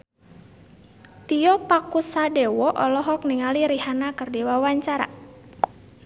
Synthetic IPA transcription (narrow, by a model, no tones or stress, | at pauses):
t̪iɔpakusadɛwɔʔɔlɔɦɔk̚niŋaliɾiɦanakərdiwawaɲt͡ʃaɾa̰